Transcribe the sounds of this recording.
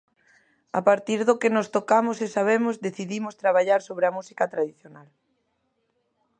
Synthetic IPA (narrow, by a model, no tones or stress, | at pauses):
a̰paɾt̪iɾðokɪnost̪okamʊsesaβ̞emʊzðeθiðimʊst̪ɾaβ̞aʎaɾsoβɾeamusikat̪ɾaðiθjonal